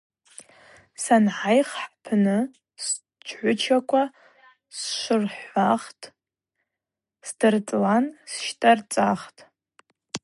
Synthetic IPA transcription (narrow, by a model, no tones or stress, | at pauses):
sanʕajχħpʰnɨ | s | t͡ʃʰʕʷʊt͡ʃʰakʷʰa | sʃʷɨrħʷaχtʼ | sdɨrt͡sʼlansʃtʼart͡sʼaχtʼ